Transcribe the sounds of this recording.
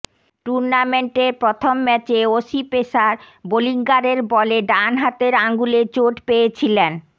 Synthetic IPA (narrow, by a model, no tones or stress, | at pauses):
ʈuɾnameɳʈeɾpɾot̪ʰomːɛt͡ɕeoʃipeʃaɾ | boliŋɡaɾeɾbɔleɖanɦat̪eɾaŋɡulet͡ɕoʈpejet͡ɕʰilen